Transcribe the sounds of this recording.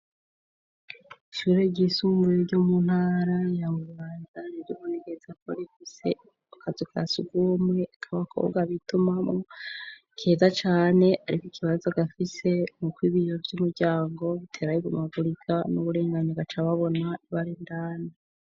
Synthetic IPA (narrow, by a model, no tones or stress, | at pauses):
iʃuːɾe̞ɟisuːmbujiɾɟomun̥haːɾajaβuuβaːnzaniɾɟoβuneɡezako̰ɾifise̞̰ | akʰazokʰa̰suɡwoːmŋweakʰaβakʰo̰ːβbɡaβitumamo | kʰezat͡ʃaːne̞ʔaɾikikʰiβazoɡafise̞mukwiːβijovɟumuɾɟaːŋɡo̞βitʰe̞ːɾajiɡṵmavuɾikʰanuβuɾe̞ːŋɡaɲoɡat͡ʃaβaβo̞naβaɾindaːna